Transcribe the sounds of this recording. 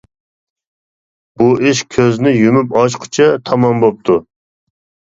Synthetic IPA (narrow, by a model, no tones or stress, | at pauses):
b̥uʔɪʃkʲʰøznɪjymypɑʃqʰʊ̥t͡ʃʰɛt̪ʰɑmɑmbop̚t̪ʰu